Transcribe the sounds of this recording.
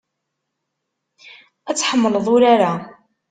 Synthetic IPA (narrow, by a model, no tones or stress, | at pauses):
æt͡sːħəmːələðˤʊɾaɾa